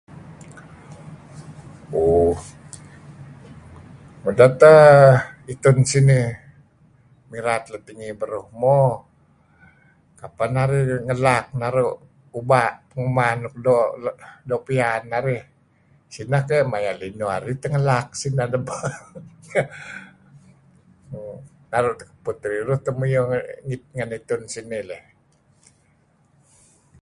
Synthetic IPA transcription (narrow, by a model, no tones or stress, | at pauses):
o | mudat̪ə | it̪ʊnsini | miɾat̪̚lət̪iŋibəɾuhmo | kapanaɾiŋəlak̚naɾuʔ | ubaʔpəŋəmanʊk̚doʔdoʔpianaɾih | sinakeʔmajaʔlinua̰ɾit̪əŋəlak̚sinadəbə | naɾʊʔt̪ə̥kə̥put̪ɾiɾuht̪əmujoŋit̪̚ŋənit̪ʊnsinileh